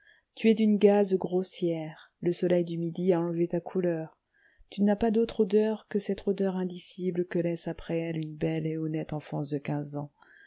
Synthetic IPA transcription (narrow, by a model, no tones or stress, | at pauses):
t̪yɛd̪ynɡazɡʁosjɛʁ | ləsɔlɛjd̪ymid̪iaɑ̃lvet̪akʰulœʁ | t̪ynapad̪ot̪χod̪œʁkəsɛt̪χod̪œʁɛ̃d̪isibləkəlɛsapχɛɛlynbɛleɔnɛt̪ɑ̃fɑ̰̃sd̪əkʲɛ̃zɑ̃